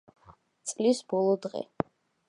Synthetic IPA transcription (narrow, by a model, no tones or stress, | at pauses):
t̪sʼlisbɔlˠɔd̪ʁɛ̰